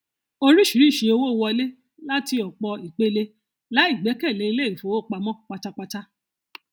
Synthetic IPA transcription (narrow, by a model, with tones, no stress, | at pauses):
o˧ɾi˦ʃi˨ɾĩ˨˦˨ʃi˧o˧wo˦˧wɔ˧i˧le˦ | la˦ti˧ɔ˨k͡pɔ˧i˨k͡pe˦le˧ | la˨˦i˦˨ɡ͡bɛ˨˦kɛ˦˨le˨˦i˧le˦˨fo˨˦wo˦˨k͡pa˧mɔ̃˦˨k͡pa˧ta˦k͡pa˧ta˦